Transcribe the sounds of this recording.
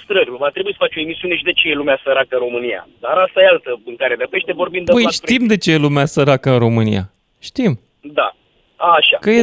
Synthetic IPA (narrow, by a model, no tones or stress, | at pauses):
st̪ɾərʲat̪ɾe̞bujisə̥fat͡ʃo̞emisiune̞ʃid̪e̞t͡ʃejelumeasəɾakəɨnro̞mɨnija̰d̪aɾast̪ajealt̪əɨŋkaɾed̪əpeʃt̪evo̞rbind̪b̪əjʃt̪imd̪e̞t͡ʃeelumeasəɾakəɨnɾo̞mɨnḭja̰ | ʃt̪im | d̪a̰ | aʃakəje